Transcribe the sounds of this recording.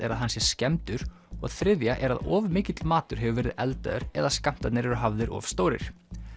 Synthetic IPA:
ɛɾaðɦansjɛɾ̥scɛmt̪ʏɾ̥ | ɔɣθɾɪðjaʔɛɾaðɔːvmɪːcɪt̪lmaːt̪ʏɾ̥ɦɛvʏvɛːɾɪðɛlt̪a̰ðʏɾɛðaskam̥t̪at̪nɪɾɛɾʏɦavðɪɾɔ̰vst̪oːwɾɪ̰ɾ̥

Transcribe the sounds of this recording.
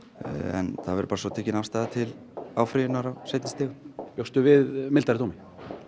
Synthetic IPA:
ɛ̰nθaðvɛɾʏ̥paːɾasɔt̪ʰɛːcɪnafst̪aːjðat̪ʰɪl | aːwfɾiðʏnaɾawseːjt̪nɪst̪ɪːɣʏjowst̪ʏvɪðmɪlt̪aɾɪt̪ʰowmɪ

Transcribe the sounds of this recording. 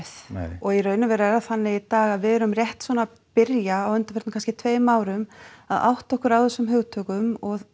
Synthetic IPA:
θɔɣirœːɥnʏvɛɾɛɾaθanːɪit̪aːɣaðvɪðɛɾʏmrjɛht̪svɔːna | pɪɾjaːwʏnt̪afɛɾt̪mkʰans̬cɪt̪ʰveːjmaːwɾʏmaða̰wht̪aɔhkʏɾawθɛsːʏmɦœɣt̪ʰœːkʏmɔɣ

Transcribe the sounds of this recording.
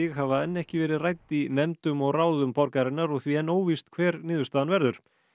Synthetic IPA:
ɪɣɦavaɛnːɛhcɪvɛːɾɪðrajt̪inɛmt̪ʏmɔɣraːwðʏmpɔɾkaɾɪnːaɾɔɣθviɛnːoːwvist̪kʰvɛːɾnɪːðʏst̪aːðanvɛɾðʏɾ̥

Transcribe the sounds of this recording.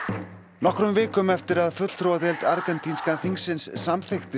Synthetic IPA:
nɔhkɾʏmvɪːkʏmɛft̪ɪɾaðfʏt̪l̥t̪ʰɾowaðɛlt̪aɾkɛnt̪ʰinskaθiŋsɪnsːamθext̪ɪ

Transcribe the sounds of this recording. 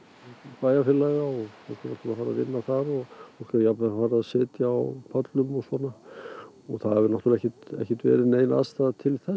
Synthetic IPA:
paːjafɪlːɛɣaɔɣɔ̥kana̰̥t̪ːlafaːɾaðɪ̰nːaθaɾɔɣfɔ̥kaɾjapvɛafaːɾaðsɪːt̪jaawpʰœt̪lʏmɔsɔnːa | ɔɣθaðhavʏɾnawt̪ulɛhçcːɛt̪ɛ̰hcɪt̪vɛ̰ːɾɪnejna̰ðst̪aðt̪ʰɪlθɛ

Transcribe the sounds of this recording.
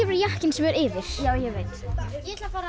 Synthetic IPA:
ɛvɾjahcɪnsɛmɛɾɪːðɪɾ̥jaːwjɛɣveːjt̪ɛt̪lfa

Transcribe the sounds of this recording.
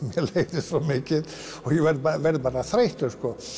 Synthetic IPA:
mjɛlejt̪ɪɔmɪːcɪð | ɔɣjɛvɛɾðpavɛɾðpaːɾaθɾejht̪ʏɾskɔ

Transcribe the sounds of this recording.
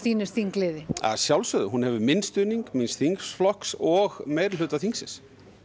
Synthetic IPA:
θiːnʏst̪θiŋklɪːðɪa̰ðsjawlsʏðʏɦunhɛvʏmɪnst̪ʏːniŋkmɪnst̪θiŋksflɔhksɔɣmeːjɾl̥ʏːt̪aθiŋksɪns

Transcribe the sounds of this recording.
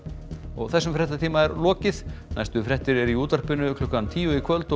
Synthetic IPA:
ɔɣθɛsːʏmfɾɛht̪at̪ʰiːmaɛɾlɔːcɪðna̰jst̪ʏfɾɛht̪ɪɾɛɾiuːt̪ar̥pɪnʏkʰlʏhkːant̪ʰiːjʏikʰvœlt̪

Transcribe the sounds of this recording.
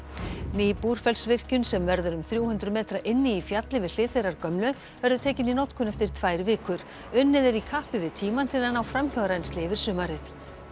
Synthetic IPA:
nɪːpuɾ̥fɛlsvɪr̥cʏnsɛmvɛɾðʏɾʏmθɾjuːwhʏnt̪ɾʏmɛːt̪ɾaʔɪnːɪifjat̪lɪvɪ̥l̥ɪːθejɾaɾkœmlʏ | vɛɾðʏt̪ʰɛːcɪninɔt̪kʰʏnɛft̪ɪɾ̥t̪ʰvaːjɾvɪːkʏɾ̥ | ʏnːɪðɪɾikʰaːhpɪvɪðt̪ʰiːmant̪ʰɪɾanawfɾamçaɣɾajnst̪lɪvɪɾ̥sʏːmaɾɪθ

